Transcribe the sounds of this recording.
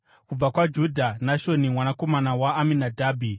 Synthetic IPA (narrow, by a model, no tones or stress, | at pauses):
kub͡vakwad͡ʒudʱanaʃo̞nimwanako̞manawaːminadʱaːbʱi